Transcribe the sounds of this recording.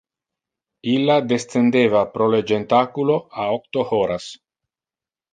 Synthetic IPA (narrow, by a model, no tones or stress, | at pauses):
ilːad̪est̪end̪eːvapɾoled͡ʒent̪akuloaok̚t̪ohoɾas